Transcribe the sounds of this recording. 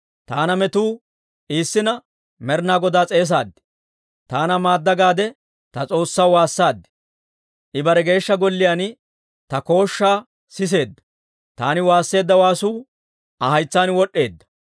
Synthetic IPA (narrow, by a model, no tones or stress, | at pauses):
t̪aːnɐmɛt̪uː | ʔiːsːɪnɐ | mɛɾnaːɡɔd̪aːt͡sʼe̞ːs̬aːd̪ːɪ̥ | t̪aːnɐmaːd̪ːɐɡaːd̪ɛ | t̪ɐt͡sʼo̞ːsːɐwwaːsːaːd̪ːɪ̥ | ʔɪbɐɾɛɡe̞ːʃːɐɡɔlːɪjaːn | t̪ɐko̞ːʃːaː | sɪs̬e̞ːd̪ːɐ̥ | t̪aːnɪwaːsːe̞ːd̪ːɐwaːsuː | ʔɐhɐjt͡sːaːnwɔɗːe̞ːd̪ːɐ̥